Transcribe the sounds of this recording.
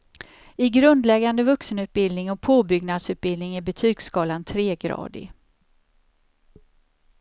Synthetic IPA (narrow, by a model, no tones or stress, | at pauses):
ɪɡɾɵnd̪lɛɡːand̪əvɵksənʉ̟ːt̪̚bɪlnɪŋɔpʰoːbʏɡnad̪sʉ̟ːt̪̚bɪld̪nɪŋæbɛt̪ʰyːɡskɑːlant̪ʰɾeːɡɾɑ̰ːd̪ɪ̰